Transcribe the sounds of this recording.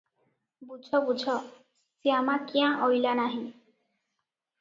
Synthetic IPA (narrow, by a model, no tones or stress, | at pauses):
bud͡ʒʱɔbud͡ʒʱɔ | siamakiãʔɔjlanaɦĩ